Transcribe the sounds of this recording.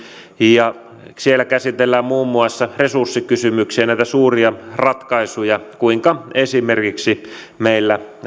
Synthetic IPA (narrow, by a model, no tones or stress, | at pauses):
jɑ | sielːækæsit̪elːæːmmuːmːuɑsːɑresursːikysymyksiænæˑit̪æsuːriɑrɑt̪kɑisujɑkuiŋkɑesimerkiksi | meilːæ